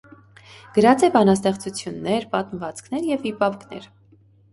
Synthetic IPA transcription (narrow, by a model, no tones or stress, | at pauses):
ɡ̥əɾɑt͡sɛbɑnɑst̪ɛχt͡sut͡sʰjunːɛɾpɑt̪məvɑt͡skʰnɛɾjɛvipɑvknɛ̰ɾ